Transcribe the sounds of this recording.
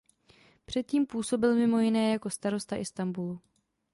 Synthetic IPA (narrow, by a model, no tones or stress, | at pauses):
pr̥ɛt̪̚ciːmpuːso̞bɪlmɪmo̞jɪnɛːjako̞st̪aɾo̞st̪aʔɪst̪ambulu